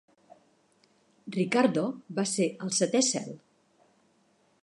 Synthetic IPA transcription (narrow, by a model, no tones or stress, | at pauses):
rikaɾd̪obaseʔəlˠsət̪ɛsɛ̰lˠ